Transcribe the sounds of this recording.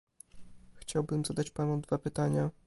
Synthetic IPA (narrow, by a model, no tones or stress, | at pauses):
xt͡ɕawbɘmzad̪at͡ɕpanud̪vapɘt̪aɲa